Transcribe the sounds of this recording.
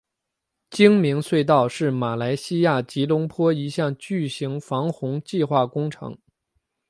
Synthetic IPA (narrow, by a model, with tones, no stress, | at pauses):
t͡ɕi˥ŋmi˧˥ŋswe˥˧ɪt̪ɑ˥˩˧ʊʂɻ̩˥˩ma˨˩la˧˥ɪɕi˥ja˥˩t͡ɕi˧˥lʊ˧˥ŋpʰwɔ˥i˧˥ɕjɑ˥˧ŋt͡ɕy˥˩ɕi˧˥ŋfɑ˧˥ŋxʊ˧˥ŋt͡ɕi˥˧xwa˥˩kʊ˥ŋʈ͡ʂʰɤ̰˧˥ŋ